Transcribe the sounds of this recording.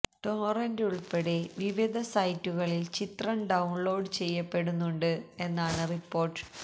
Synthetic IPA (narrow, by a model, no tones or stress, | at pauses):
ʈoːrɐnduɭpɐɽe̞ʋiʋid̪ʱɐsɐjtːuɣɐɭilt͡ɕit̪rɐmɖɐwɳɭo̞ːɖt͡ɕe̞jːɐpːe̞ɽunːuɳɖɨe̞nːaːɳɨripːo̞ːrʈːɨ̥